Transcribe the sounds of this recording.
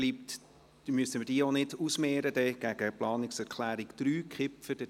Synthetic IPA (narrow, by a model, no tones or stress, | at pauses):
liːp̚t | myəsəməd̥iːonɪdusmɛːɾədɛɡ̥æɡ̥əplɑːnɪksɛɾkʰlæːɾɪɡd̪̥ɾyːkχɪpfəɾd̥ə